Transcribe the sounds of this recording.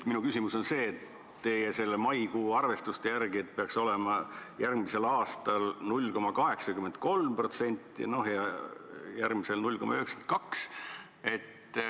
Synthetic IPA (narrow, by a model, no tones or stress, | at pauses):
t̪minukysimuso̞nse̞ːt̪ː | e̞ːjese̞lːemɑjkuːɑrve̞st̪ust̪e̞jærɡ̥iet̪̚peɑkso̞le̞mɑjærɡmise̞lɑːst̪ɑlnulʲːko̞mɑkɑɦe̞ksɑkymend̪̚ko̞lmpro̞t̪se̞nʲt̪ˑːḭno̞ɦjɑ | jærɡmise̞lnulʲko̞mːʔɑyheksent̪̚kɑks | e̞t̪ː